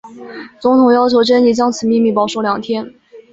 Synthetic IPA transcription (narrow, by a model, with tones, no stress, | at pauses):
t͡sʊ˧˥ŋt̪ʰʊ˨˩ŋjɑ˥ʊt͡ɕʰjo˧˥ʊʈ͡ʂə˥ni˧˥˩t͡ɕjɑ˥ŋt͡sʰɹ̩˨˩˦mi˥˧ŋmi˥˩pɑ˧˥ʊʂo˧˥ʊljɑ˨˩ŋt̪ʰjɛ˥n